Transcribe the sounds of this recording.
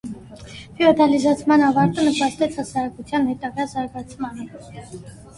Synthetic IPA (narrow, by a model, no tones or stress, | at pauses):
fʰiɔd̪ɑlizɑt͡sʰmɑnɑvɑɾt̪ənəpɑst̪ɛt͡sʰhɑsɑɾɑkut͡sʰjɑnhɛt̪ɑɡɑzɑɾɡɑt͡sʰmɑnə